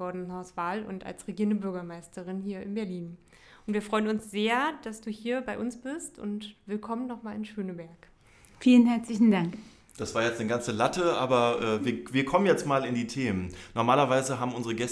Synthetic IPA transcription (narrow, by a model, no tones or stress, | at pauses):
ɔɐdnnhaʊsv̥aːlʊ̰nta̰lsʁeɡiːɐndəbʏɐɡɐmaɪstəʁɪnhiːɐɪnbɛɐliːn | ʔʊntv̥iːɐfʁ̥ɔʏənʊnsz̥eːɐd̥asd̥uːhiːɐbaɪʔʊnsb̥ɪstʊ̰ntv̥ɪlkʰɔmənːɔχmaːlɪnʃøːnəbɛɐk | fiːlənɦɛɐt͡slɪçn̩daŋk | d̥asv̥aːɐjɛt͡stnəɡant͡səlatəʔa̰ːbɐʔɛːviːɐviːɐkʰɔmənjɛt͡stmaːlɪndiːtʰeːmənnɔɐmaːlɐvaɪzəɦaːbm̩ʔʊnzəʁəɡɛs